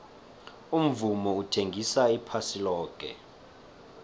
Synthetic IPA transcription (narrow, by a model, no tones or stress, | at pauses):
um̩vumɔutʰeŋɡʱisaipʰasilɔːkʼɛ̰